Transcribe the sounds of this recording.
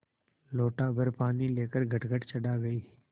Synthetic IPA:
loːʈabʱɐɾpaːnileːkəɾɡʱɐʈɡʱəʈt͡ʃɐɽaɡɐiː

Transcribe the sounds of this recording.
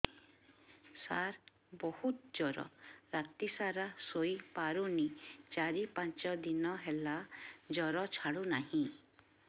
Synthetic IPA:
saɾ | bɔhut̪d͡ʒɔɾɔ̰ɾat̪isaɾasoipaɾunit͡ʃaɾipãnt͡ʃɔd̪inɔɦelad͡ʒɔɾɔt͡ʃʰaɽunaɦĩ

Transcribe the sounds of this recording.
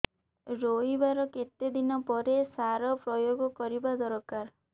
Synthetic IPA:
ɾoibaɾɔket̪ed̪inɔpɔɾesaɾɔpɾɔjoɡɔkɔɾibad̪ɔɾɔkaɾ

